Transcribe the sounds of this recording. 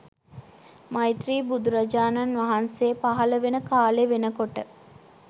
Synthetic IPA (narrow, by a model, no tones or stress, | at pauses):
majt̪ɾiːbud̪uɾad͡ʒaːnanʋaɦansepaɦɐləʋenəkaːleʋenəkoʈə